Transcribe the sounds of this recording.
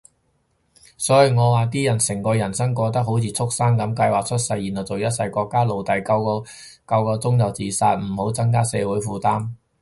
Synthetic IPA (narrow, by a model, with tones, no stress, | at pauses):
sɔː˨˥ji˨˩ŋɔː˨˧waː˨t̪̬iː˥jɐ˨˩nsɪ˨˩ŋkɔː˧jɐ˨˩nsɐ˥ŋkʷɔː˧t̪ɐ˥k̚ɦo˨˥wt͡sʰiː˧t͡sʰʊ˥k̚sa˥ŋkɐ˨˥mkɐ˧jwaː˨k̚t͡ʃʰɵ˥t̚sɐ˧jːi˨˩nhɐ˨˩wt͡so˨˩wjɐ˥t̚sɐ˧jkʷɔː˧kːaː˥lo˨wt̪ɐ˨jkɐ˧w | kɐ˧wkɔː˧t͡sʊ˥ŋjɐ˨˩wt͡siː˨saː˧t̚m̩˨˩ho˨˥wt͡sɐ˥ŋkaː˥sɛː˨˧wuː˨˥jfuː˨˧t̪aː˥m